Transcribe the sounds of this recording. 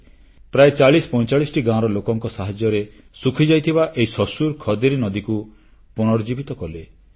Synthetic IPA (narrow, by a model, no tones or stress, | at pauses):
pɾaet͡ʃaɭispɔ̃j̃t͡ʃaɭisɔ̥ʈiɡãɔɾɔlokɔŋkɔsaɦad͡ʒjɔɾe | sukʰid͡ʒajt̪ʰibaʔeɦisɔsuɾkʰɔd̪iɾinɔd̪iku | puɽ̃ɔɾɔd͡ʒibit̪ɔkɔle